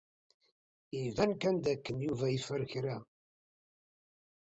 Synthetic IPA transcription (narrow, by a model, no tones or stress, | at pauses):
ivænkænd̪ækːənjuvæjifəɾçɾa